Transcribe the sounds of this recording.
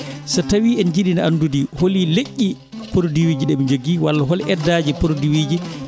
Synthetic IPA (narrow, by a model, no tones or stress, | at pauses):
satawiːɛnd͡ʒiɗinaandudiholileʔʲːi | poɾdiwiːd͡ʒiɗɛmid͡ʒoɡiwalːaɦɔlʔɛdːaːd͡ʒipoɾdiwiːd͡ʒi